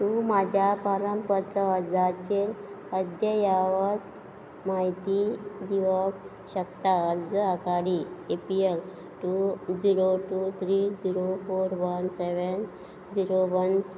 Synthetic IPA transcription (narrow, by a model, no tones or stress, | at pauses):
t̪umad͡ʑʱjapaɾəmpət̪ɾəd͡zat͡ɕel | əd̪jəjaʋəd͡z | maɦit̪id̪iʋək | ɕəkt̪aəɾd͡zəakaɽiepiel | ʈud͡ziɾoʈut̪ʰɾid͡ziɾofoɾʋənseʋən | d͡ziɾoʋən